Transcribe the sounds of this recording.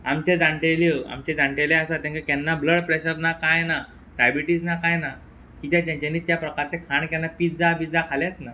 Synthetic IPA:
amt͡ɕed͡zãɳʈeljəa̰mt͡ɕẽd͡zaɳʈeljɛasat̪ãŋkakɛnːabləɽpɾeɕəɾnakajna | ʈɾajbiʈiːd͡znakajna | kit̪jãt̪jãɲt͡ɕaniːt̪japɾəkaɾt͡sekʰaɳkɛnːapiːt̪d͡zapiːd͡zakʰaljat̪na

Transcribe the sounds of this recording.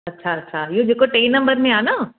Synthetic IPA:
ɐtːʃʰaɐtːʃʰajed͡ʒekoʈeːnːɐ̃mbəɾmẽaːnaː

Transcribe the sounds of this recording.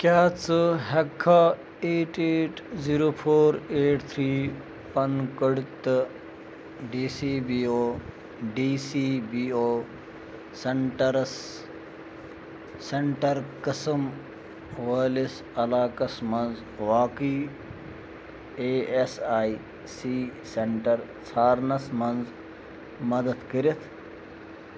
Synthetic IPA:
kjaːt͡sɨɦekʰːaː | eːʈeːʈziːɾoːpʰoːɾeːʈt̪ʰɾiː | pɐnkəɽt̪ | ɖiːsiːbiːoː | ɖiːsibiːoː | seɳʈɐɾs | eɳʈɐɾkəsəm | ʋəːlis | ɐlaːkɐsmɐnz | ʋaːkiː | eːesaːi | siːseɳʈɐɾ | t͡sʰaːɾnɐsmɐnz | mɐd̪ɐt̪kəɾit̪ʰ

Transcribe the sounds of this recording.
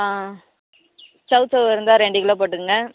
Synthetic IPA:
a | sɐʊsɐʋɪɾɯnd̪aːɾɛɳɖikːɪɭãːp̬oːʈːɯkːɯŋɡɐ

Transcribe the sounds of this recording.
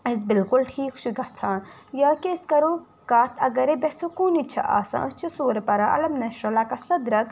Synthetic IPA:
ɐzbɪlkulʈʰiːkʰʃuɡɐt͡sʰãːjaːkeskɐɾoː | kaːt̪ʰɐɡɐɾebesokuːnit͡ʃʰɐ̰ʔa̰ːsã̰ʔɐst͡ʃʰisoːɾɐpɐɾaʔɐ̰lɐmnɐʃɾolaːkɐsɐd̪ɾɐk

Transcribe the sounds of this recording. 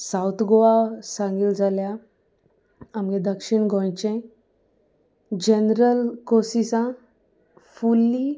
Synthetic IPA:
sawt̪ʰɡoʋasãŋɡild͡zʱalja | amɡed̪əkʂiɳɡʱɔ̃jt͡ɕẽ | d͡ʑenɾəlkosisã | fulːi

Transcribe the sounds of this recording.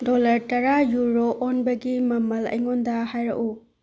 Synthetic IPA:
dɔlɐɾtɐɾajuɾoʔːnbɐɡimɐmɐlɐ̰jŋɔndɐhajɾɐ̰ʔu

